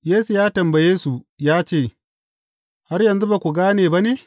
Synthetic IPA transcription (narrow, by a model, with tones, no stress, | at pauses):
jeː˦su˨jaː˦tɐ˨mbɐ˨jeː˦su˨ | jaː˦t͡ʃeː˦˨ | ha˦ɾjɐ˨nzu˦ba˨kʷu˨ɡaː˦neː˨ba˦ne˨